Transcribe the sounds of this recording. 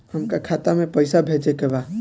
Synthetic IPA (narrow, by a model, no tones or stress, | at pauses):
həmkakʰat̪amẽpəɪsabʱet͡ʃekeba